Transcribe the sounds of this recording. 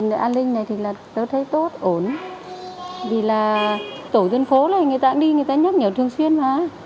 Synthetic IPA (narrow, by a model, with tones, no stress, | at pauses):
nə˨˧˨ʔaː˧nlï˧ŋ̟na˨˩jt̪ʰi˨˩laː˨˩t̪əː˨˦jt̪ʰə˨˦jt̪o˦˥t̚ʔo˨˩n | vi˨˩laː˨˩t̪o˧˩t̪ə˧nfo˨˦laː˨˩jŋɨ˨˩əjt̪a̰ː˧˥ŋɗi˧ŋɨ˨˩ət̪aː˧ɲə˦˥t̚ɲə˨˧˩wt̪ɨ˨˩əŋswi˧ənmaː˨˧˩